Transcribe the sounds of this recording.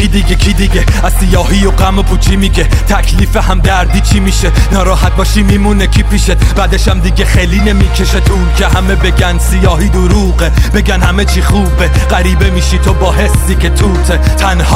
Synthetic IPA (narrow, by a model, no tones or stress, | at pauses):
id̪iɡekʰid̪iɡe | æz̥sijɒːɦijoɢæmopʰuːt͡ʃʰimiːɡe̞t̪ʰækʰliːfeɦæmd̪æɾd̪iːt͡ʃʰiːmiʃenɒːɾɒːɦæt̪̚bɒːʃimiːmunekʰipʰiʃed̪bæd̪eʃæmd̪iɡʲexejliːne̞miːkʰe̞ʃet̪ʰuːcʰeɦæmebe̞ɡænsijɒːhiːd̪oɾuːɢeb̥e̞ɡænhæme̞t͡ʃʰiːχuːbe | ɢæɾiːbe̞miːʃit̪ʰobɒːɦe̞sːiːkʰe̞t̪ʰuːt̪ʰe | t̪ʰænhɒː